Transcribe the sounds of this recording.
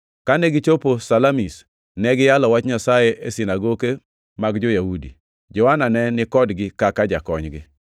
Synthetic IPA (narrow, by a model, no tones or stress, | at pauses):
kanɛɡɪt͡ʃoposalamis | nɛɡɪjalɔwat͡ʃɲasajeʔesinaɡoke | maɡd͡ʒojahudḭ | d͡ʒɔwananɛnɪkɔdɡɪkakad͡ʒakɔɲɡɪ